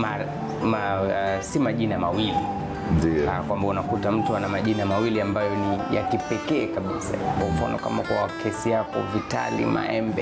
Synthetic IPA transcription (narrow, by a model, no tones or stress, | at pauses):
ma | masimaʄinamawili | diakwambaunakutam̩tuanamaʄinamawiliambajɔnija̰kipɛkɛːkaɓisa̰aɔm̩fa̰nɔ̰ka̰makakʰɛsijakɔ̰vita̰lḭma̰ɛmbɛ